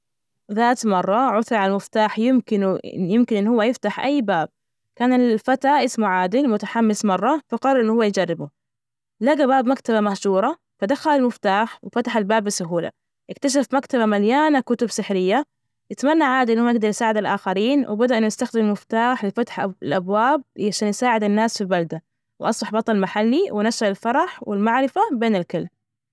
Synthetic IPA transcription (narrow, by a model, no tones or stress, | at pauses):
ðaːt̪mɑrˤːɑʕʊθɾˤʕallmɪft̪aːħjɪmkɪnjɪmkɪnʔɪnːhʊwːajɪft̪aħʔajːbaːb̚ | kaːnalfat̪aʔɪsmuʕaːd̪ɪlmʊt̪aħamːɪsmɑrˤːɑfɑqɑrˤɑɾʔɪnːhʊwːajd͡ʒɑrːɪbu | laɡabaːbmakt̪abamahʃuːɾˤɑ | fad̪axalalmɪft̪aːħwfat̪aħalbaːbːɪsʊɦuːla̰ | ʔɪkt̪aʃ̬afmakt̪abamaljaːnakʊt̪ʊbsɪħɾɪjːa | jɪt̪manːaʕaːd̪iʔɪnːhuːaɪɡd̪ɑɾˤjsaːʕɪd̪alʔaːxaɾiːnwɪbad̪aʔɪnːʊɪst̪axd̪ɪmmɪft̪aːħlɪfat̪ħɪlʔabwaːb̚ʕaʃaːnjɪsaːʕɪd̪anːaːsfilbald̪a | wʔɑsˤbɑħbɑt̪ˤɑlmaħalːiwnaʃːaɾɪlfɑɾˤɑħwɪlmaʕɾɪfabeːnɪlkɪlm